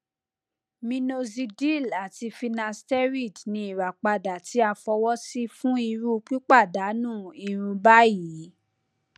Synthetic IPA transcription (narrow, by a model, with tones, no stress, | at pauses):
mĩ˧no˧zi˧di˦˨la˨ti˧fi˧nã˧stɛ˦ɾi˦˨dnĩ˧i˨ɾa˨k͡pa˧da˨ti˨˦a˧fɔ˧wɔ˦si˦fũ˦i˧ɾu˦k͡pi˦k͡pa˦˨da˨˦nũː˦˨i˧ɾ̃ũ˧ba˦ji˨˦